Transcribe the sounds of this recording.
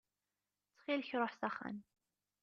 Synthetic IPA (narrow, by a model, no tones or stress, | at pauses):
t͡sːχilçɾˤoħsɑχa̰n